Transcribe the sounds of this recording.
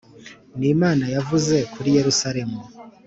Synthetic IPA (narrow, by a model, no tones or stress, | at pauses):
nimaːnajavuze̞kʰuɾije̞ɾusaɾe̞mu